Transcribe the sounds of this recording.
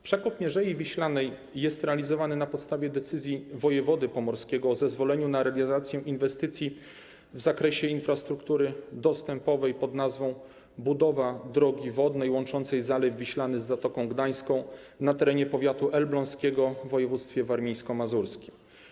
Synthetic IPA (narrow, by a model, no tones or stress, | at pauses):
pʂɛkɔt̪mʲɛʐɛjivʲiɕlanɛjː | ɛst̪ɾɛalʲizɔvanɘnapɔt̪st̪avʲjɛd̪ɛt̪sɘzʲjivɔjɛvɔd̪ɘpɔmɔɾskʲɛɡɔːzɛzvɔlɛɲunaɾɛalʲzat̪sʲjɛ̃ʔinvɛst̪ɘt̪sʲji | vzakɾɛɕɛinfɾast̪ɾukt̪uɾɘd̪ɔst̪ɛmpɔvɛjpɔd̪nazvɔ̃w̃ | bud̪ɔvad̪ɾɔɡʲivɔd̪nɛjwɔ̃nt͡ʂɔnt̪sɛjzalɛvːʲiɕlanɘzːat̪ɔkɔ̃w̃ɡd̪aj̃skɔ̃w̃ | nat̪ɛɾɛɲɛpɔvʲjat̪uʔɛlblɔ̃ñskʲɛɡɔvːɔjɛvut̪st̪fʲjɛvaɾmʲijskɔmazuɾskʲim